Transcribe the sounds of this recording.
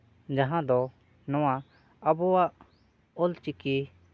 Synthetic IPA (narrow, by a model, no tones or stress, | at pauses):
d͡ʒaɦãd̪ɔ | nɔ̃wa | abɔwaʔ | ɔlt͡ʃiki